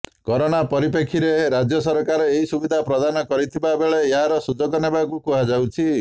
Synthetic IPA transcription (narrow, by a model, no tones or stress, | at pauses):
kɔɾoɽ̃apɔɾip̬ekʰiɾeɾad͡ʒjɔsɔɾkaɾɔeɦisubid̪ʱapɾɔd̪anɔkɔɾit̪ʰibabeɭeeɦaɾɔsud͡ʒɔɡɔnebakukuɦad͡ʒawt͡ʃʰi